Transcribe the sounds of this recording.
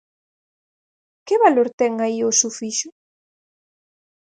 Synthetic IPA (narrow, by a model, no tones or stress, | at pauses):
kɪβaloɾt̪ɛŋaiʊsufiʃʊ